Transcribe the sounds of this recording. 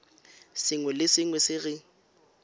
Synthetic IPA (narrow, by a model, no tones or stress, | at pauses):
sɪŋwɛlɪsɪŋwɛsɪɣɪ